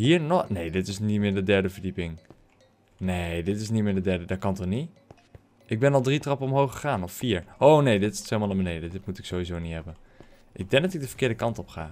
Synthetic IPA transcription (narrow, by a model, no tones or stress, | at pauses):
ɦiːɹnɔnejdɪtɪsnimɪːɹdədɛɹdəvəɹdipɪŋ | nedɪtɪs̬nitmɪːɹdədɛɹdədaːkɑntɔni | ʔɪɡ̚bɛnɑlˠdritrɑpəɔmɦowχəχaːnɔffiːɹʔownejdɪtɪ̥stemalˠəmənejdədɪtmutɪksowizownitɦɛbən | ʔɪɡ̚dɛŋ̚dɑtɪɡ̚dəv̥əɹkɪːɹdəkɑntɔpχa̰ː